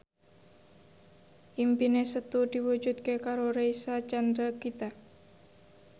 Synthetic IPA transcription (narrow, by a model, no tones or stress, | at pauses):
ʔimpinesət̪ud̪̥iwud͡ʒut̪̚kekaɾoɾejsat͡ʃand̪ɾakit̪a